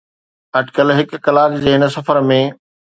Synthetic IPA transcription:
ɐɖkəlɦɪkːɐlaːkd͡ʑeːɪnə̆sɐfəɾmẽː

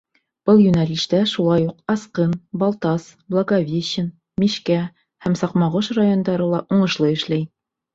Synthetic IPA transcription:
b̥ɤlˠjʉnælʲiʃt̪æʃulˠɑjuqɑsqɤnbɑlˠt̪ɑsblˠɐɡavʲeɕɘn | miɕkæ | hæmsɑqmɑʁɤʃrajond̪ɑɾɤlˠɑʔuɴɤ̆ʃlˠɤɘ̆ʃlæj

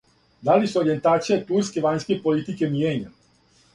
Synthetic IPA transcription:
d̪alisuoɾie̞nt̪aːt̪sijet̪uɾske̞ʋaɲskepolit̪ike̞mjeːɲa

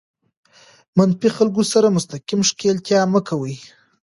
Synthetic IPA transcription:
manfixalɡosaɾamʊst̪akimʂkelt̪jɑməkʰawəj

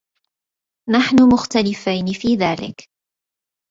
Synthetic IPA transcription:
naħnʊmʊxt̪alɪfajnɪfiːðaːlɪ̰k

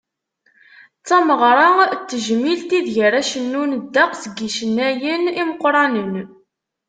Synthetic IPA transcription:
t͡sːɑməʁɾˤɑt͡s̪ːəʒmilt̪iðʝəɾæʃənːund̪ːɑqsəɡiʃənːæjəniməqːɾˤɑnən

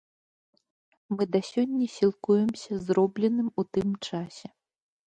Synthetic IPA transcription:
mɨd̪ɐsʲɔnʲːɐsʲilˠkujɛmsʲɐzɾɔblʲɛnɨmut̪ɨmt͡ʂasʲɛ

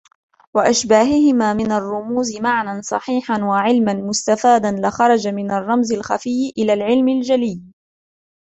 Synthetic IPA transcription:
waʔaʃbaːɦɪhɪmaːmɪnarˤːʊmuːzɪmaʕnansˤɑ̰ħiːħanwaʕɪlmanmʊst̪afaːd̪anlɪxɑɾˤɑd͡ʒamɪnarˤːɑmzɪlxafɪːʔɪlaːlʕɪlmald͡ʒalɪː

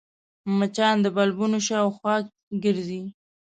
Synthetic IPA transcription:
mat͡ʃɑnd̪əbalbunoʃɑwxwɑk̚ | ɡəɾzi

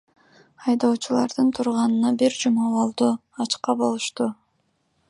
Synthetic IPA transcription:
ɑjd̪oːt͡ʃulˠɑɾd̪ɯnt̪ʰuɾʁɑnɯnɑbiɾd͡ʒumɑolˠd̪u | ɑt͡ʃqɑbo̞lˠuʃt̪u

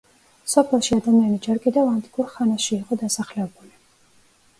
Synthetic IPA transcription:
sɔpʰɛlˠʃiad̪amianid͡ʒɛɾkʼid̪ɛvant̪ʼi̥kʼuɾχanaʃiːqʼɔd̪asaχlɛbuli

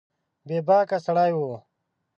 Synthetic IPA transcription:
beːbaːkasɐɽaːjwoː

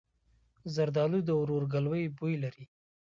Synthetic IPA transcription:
zaɾd̪ɑlud̪əwɾoɾɡalwəjbujlaɾi

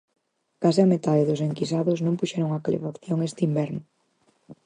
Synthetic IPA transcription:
kasɪamet̪aðeðʊseŋkis̬aðʊsnõmpuʃɛɾoŋakalḛfakθjoŋest̪ɪimbɛɾnʊ

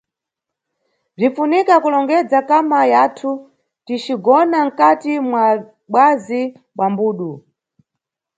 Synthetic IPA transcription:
b͡ʐifunikakulɔŋɡɛd͡zakamajaːtʰu | tit͡ʃiɡɔnaŋ̩katimwa | ɓwazi | ɓwambuːɗu

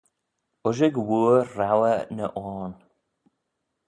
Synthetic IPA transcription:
ʊʒəɡwuːawənə̰ʔɔːn

